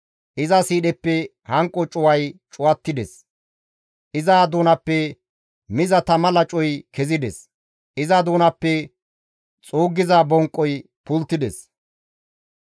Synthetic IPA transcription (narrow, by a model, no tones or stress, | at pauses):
ʔɪzɐsiːɗɛpːɛ | hɐŋkʼːɔt͡ʃʼʊwɐjt͡ʃʼʊwɐt̪ːɪd̪ɛ̰s | ʔɪzaːd̪uːnɐpːɛ | mɪzɐt̪ɐmɐlɐt͡ʃʼɔjkɛzɪd̪ɛs | ʔɪzɐd̪uːnɐpːɛ | t͡sʼuːɡːɪzabɔŋkʼːɔj | pʊlt̪ːɪd̪ɛs